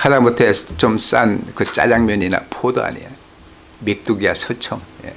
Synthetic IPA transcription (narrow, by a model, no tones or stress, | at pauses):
hʰad͡ʑamotʰet͡ɕoms͈ankɯt͡ɕ͈a̰d͡ʑaŋmjʌɲina̰pʰodoa̰ɲḭja | mek̚t͈uɡiasʰʌt͡ɕʰʌŋjḛ